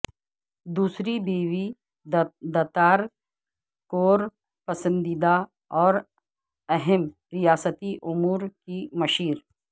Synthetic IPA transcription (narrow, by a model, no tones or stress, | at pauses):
d̪uːsɾibiːwi | d̪ɐt̪aːɾ | koːɾ | pɐsə̃nd̪id̪a | ɔːɾ | ɛɦɛm | ɾɪjaːsət̪iʔʊmuːɾkimɐʃiːɾ